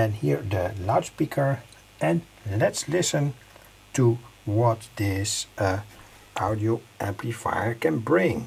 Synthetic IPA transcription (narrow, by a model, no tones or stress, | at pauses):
ɛ̃nhiɹdəlaʊdspikʰə˞ | ʔɛ̃n | lɛtslɪsə̃n | tuwɔt̚dɪs | ʔaʊdioʊʔæ̃mpʰlifa̰jə˞kɛ̃nbɹɪ̃ŋ